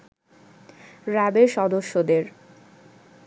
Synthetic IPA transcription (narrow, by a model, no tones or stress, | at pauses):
ɾabeɾʃɔd̪oʃːod̪eɾ